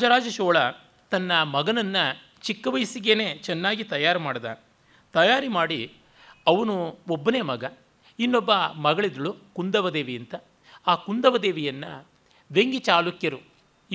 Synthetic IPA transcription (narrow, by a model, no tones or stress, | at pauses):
ad͡ʒɐɾaːd͡ʒɐʃɔːɭɐ | t̪ɐnːɐmɐɡɐnɐnːɐ | t͡ʃikːɐʋɐjsiɡeːne̞ːt͡ʃɛnːaːɡit̪ɐjaːɾɐmaːɽid̪a̰ː | t̪ɐjaːɾimaːɽi | ɐʋɐnuobːɐneːmɐɡɐ | inːobːɐmɐɡɐɭid̪ɾɐɭukund̪ɐʋɐd̪eːʋijɐnt̪ɐ | aːkund̪ɐʋɐd̪eːʋijɐnːɐ̰ | ʋeŋɡit͡ʃaːlukjɐɾu